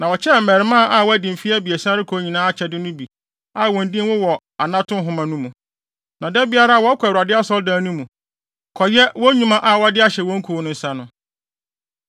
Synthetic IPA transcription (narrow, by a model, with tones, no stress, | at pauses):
nã˨wɔ˨t͡ɕʰɛ˦˨m̩˨mɛ˨ɾɪ˨˦mã˦˨ʔa˦˨wɔ˦æ˦dĩ˨m̩˨fi˦a˦bi˨ɛ˨sã˦ɾɪ˦kʰɔ˨˦ɲĩ˨nãː˦a˦˨t͡ɕʰɛ˨dɪ˦nʊ̃˦bi˨ | a˦˨wɔ̃˨n̩˦dĩ˦wʊ˦wɔ˨ | a˨nã˦tʰʊ̃˦ɦʊ̃˨mã˨nũ˦mũ˨ | nã˨dɛ˦bɪ˦a˦ɾa˦˨wɔ˦kʷʰa˨dɪ˦a˦sɔ˦ldãː˦nũ˦mũ˨ | kʰɔ˨jɛ˦wɔ˦ɲũ˦mã˦ʔa˦˨wɔ˦a˦dɪ˦a˦ɕɛ˨wɔ̃˦ŋ̩˦kʰu˨˦nʊ̃˦n̩˨sã˦nʊ̃˨